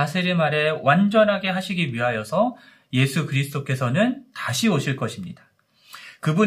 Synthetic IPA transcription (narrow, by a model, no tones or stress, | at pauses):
asʰeɾimaɾe̞wand͡ʑʌnɦaɡe̞ɦaɕʰiɡiɥiɦajʌsʰʌ | je̞sʰukɯɾisʰɯd͈ok͈e̞sʰʌnɯntaɕʰioɕʰiɭk͈ʌɕʰimɲidḁ | kɯbu